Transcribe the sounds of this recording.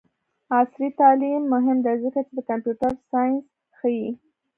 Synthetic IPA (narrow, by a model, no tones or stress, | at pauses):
ɑsɾit̪ɑlimːʊɦɪmd̪azəkat͡ʃed̪əkampjuʈaɾsɑjɪns | xəji